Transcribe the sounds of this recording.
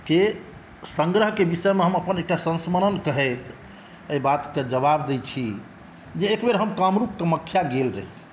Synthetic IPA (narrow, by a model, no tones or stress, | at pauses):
ke | səŋɡɾəɦkebisəmeɦəməpənek̚ʈasə̃nsməɾənkəɦɛt̪ | əibat̪ked͡ʒəbabd̪et͡ʃʰi | d͡ʒeːkbeɾɦəmkamɾup̚keməkʰːjaɡelɾə̰ɦi